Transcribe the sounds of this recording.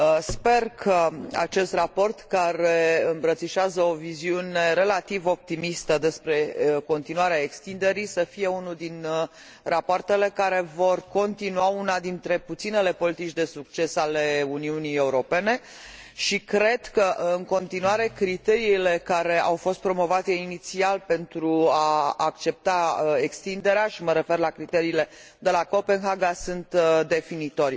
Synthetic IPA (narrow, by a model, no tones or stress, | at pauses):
spe̞rkʰəa̰t͡ʃe̞st̪rapo̞rt̪kaɾe̞ɨmbɾət̪siʃeazəo̞viziune̞ɾe̞lat̪ivo̞p̚t̪imist̪əd̪e̞spɾe̞ko̞nt̪inuaɾeaekst̪ind̪e̞ɾisəfije̞unuld̪in | rapoart̪e̞le̞kaɾe̞vo̞rko̞nt̪inuaunad̪int̪ɾe̞put̪sine̞le̞po̞lit̪it͡ʃʲd̪e̞suk̚t͡ʃe̞sale̞uniunije̞uɾo̞pe̞ne̞ | ʃikɾe̞d̪kəʔɨŋko̞nt̪inuaɾe̞kɾit̪e̞ɾiːle̞kaɾe̞awfo̞st̪̚pɾo̞mo̞vat̪e̞init̪sialpe̞nt̪ɾuaːk̚t͡ʃe̞p̚t̪ae̞kst̪ind̪e̞ɾeaʃiməɾe̞fe̞rlakɾit̪e̞ɾiːle̞ | d̪e̞lako̞pe̞nɦaɡasunt̪d̪e̞finit̪o̞rʲ